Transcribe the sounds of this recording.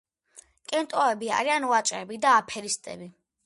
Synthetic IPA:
kʼɛnt̪ʼɔɛbia̰ɾianwat͡ʃʼɾɛbid̪aːpʰɛɾist̪ʼɛ̰bi

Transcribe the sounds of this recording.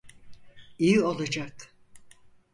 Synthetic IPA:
ijio̞lˠad͡ʒak̚t̪

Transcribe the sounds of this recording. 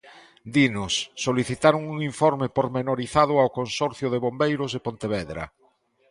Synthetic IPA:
d̪inʊsːoliθit̪aɾʊŋuŋiɱfoɾmɪpoɾmenoɾiθað̞ʊawkonsɔɾθjʊðeβombejɾʊzðepont̪eβɛðɾɐ̰

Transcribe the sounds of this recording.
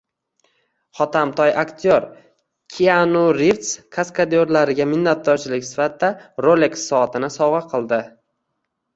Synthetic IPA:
χɒt̪ʰamt̪ʰɒjʔakt̪ʰjoɾ | kʲʰianuɾift̪skʰaskʰad̪ijoɾlaɾɪɡʲamɪnːat̪̚d̪ɒɾt͡ʃʰɪlɪkʲsɪ̥fat̪̚d̪aɾolek̪sɒat̪ʰɪnɪsɒwʁɑqʰɨlˠd̪ɪ

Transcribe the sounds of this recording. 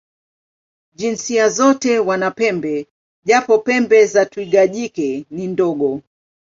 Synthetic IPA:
ʄinsiazɔtɛwanapɛmbɛ | ʄapɔpɛmbɛzatuiɠaʄikɛnindɔɡɔ

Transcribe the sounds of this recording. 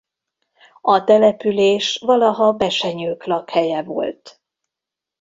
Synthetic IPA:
ɒt̪ɛlɛpyleːʃʋɒlɒɦɒbɛʃɛɲøːklɒkhɛjɛvo̰lt̪

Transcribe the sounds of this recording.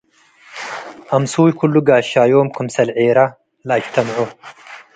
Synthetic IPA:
ʔɐmsuːjkʰulːuɡaːʃaːjoːmkʰʊmsɐlʕeːɾa | lɐɐkt̪ʰɐmʕu

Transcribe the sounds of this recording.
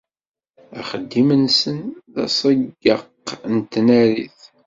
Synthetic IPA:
æ̰χəd̪ːimənsənðæ̰sˤəɡːə̰qːnt̪ːnæɾḭθ

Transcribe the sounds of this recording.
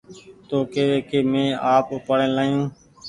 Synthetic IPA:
t̪oːkeːʋeːkeːmẽːaːpʊpəɽẽːlaːjũː

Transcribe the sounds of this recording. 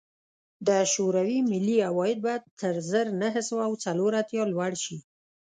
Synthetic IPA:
d̪əʃoɾawimɪlːiawɑjɪd̪̚bajad̪̚t̪əɾzəɾnəɦəsəwaːwt͡saloɾat̪jɑlwaɽʃi

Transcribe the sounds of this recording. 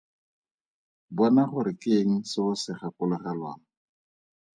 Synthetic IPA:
bɔnaχʊɾɪkeŋ̩sɪʊsɪχakʊlʊχɛlwa̰ːŋ̩

